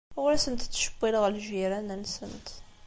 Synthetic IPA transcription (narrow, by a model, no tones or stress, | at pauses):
ʊɾæsənt̪t͡sːʃə̥bːiləʁəlʒiɾænənsənt̪